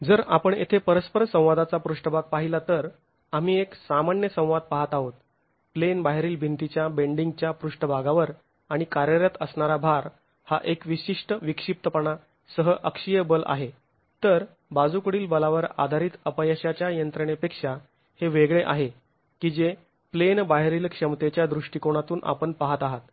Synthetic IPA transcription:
d͡zəɾapəɳḛt̪ʰepəɾəspəɾsə̃w̃ʋad̪at͡sapɾuʂʈəbʱaɡ̚paɦilat̪əɾ | am̤iːeksamanjəsə̃w̃ʋad̪̚paɦat̪aɦot̪̚ | plenbaɦeɾiːlbʱint̪it͡ɕjabeɳɖiŋɡ̚t͡ɕjapɾuʂʈəbʱaɡaʋəɾ | aɽ̃ikaɾjəɾjat̪əsɳaɾabʱaɾ | haʔekʋiɕiʂʈəʋikʂip̚t̪əpəɳa | səɦəʔəkʂijəbəlʔa̰ɦe | t̪əɾ | bad͡zukɽiːlbəlaʋəɾa̰d̪ʱaɾiːt̪əpəjəɕat͡ɕjajənt̪ɾəɳepekʂa | heʋeɡɭeʔaɦe | kid͡ʑe | plenbaɦɾiːlkʂəmt̪et͡ɕjad̪ɾuʂʈikoɽ̃at̪uːnʔa̰pəɳpaɦat̪aɦat̪

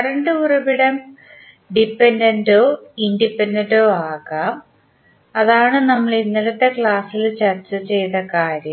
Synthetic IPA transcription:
kɐɽɐɳɖɨurɐbiɽɐm | ɖipːendɐndoːindipːendɐndoːaːɣaːm | ɐðaːɳɨnɐmːɐɭinːilɐt̪ːe̞kɭaːsilt͡ɕɐrt͡ɕːɨt͡ɕe̞jt̪ɐkaːɾjɐm

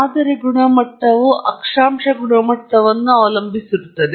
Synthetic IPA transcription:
aːd̪ɐɾeɡuɳɐmɐʈːɐʋuʔɐkʂaːmʂɐɡuɳɐmɐʈːɐʋɐnːuaːʋlɐmbʱisiɾut̪ːɐd̪e

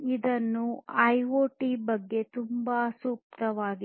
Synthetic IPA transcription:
id̪ɐnːuɐjʋoːʈibɐɡːe̞t̪umbasuːk̚t̪ɐʋaːɡi

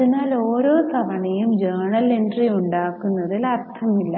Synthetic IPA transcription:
ðinaːloːɾo̞ːsɐbɐɳɐjumd͡ʑɐːɳɐle̞nɖrijuɳɖaːkːunːɐðilɐrt̪ʰɐmilːɐ

